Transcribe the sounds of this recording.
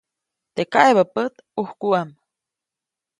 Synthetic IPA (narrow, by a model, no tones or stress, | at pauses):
t̪ekaeβapət̪ | uhkuam